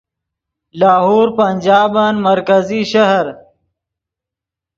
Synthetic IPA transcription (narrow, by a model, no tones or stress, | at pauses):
laːɦuːɾpɐnʲd͡ʒaːbanmɐɾkɐziʃaɦɾ